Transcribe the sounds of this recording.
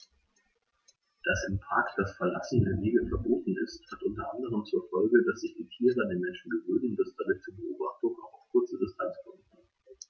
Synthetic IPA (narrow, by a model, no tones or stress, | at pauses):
d̥asɪmpʰʁ̥aːkd̥asfɛɐlasn̩dɪveːɡl̩fɛɐboːtn̩ɪsthatʔʊntɐʔandəʁ̞əmt͡suːɐfɔlɡədasz̥ɪçd̥iːtʰiːʁəandeːnmɛnʃn̩ɡəvøːnən̩d̥asd̥amɪt̚t͡suːɐbəʔoːbaχtʊŋaʊxaʊfkʰʊɐt͡sədɪstʰant͡skʰɔmənʰ